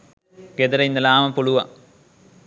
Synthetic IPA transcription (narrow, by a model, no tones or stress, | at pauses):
ked̪ɐɾɐind̪ɐlaːmɐpuɭuʋɐ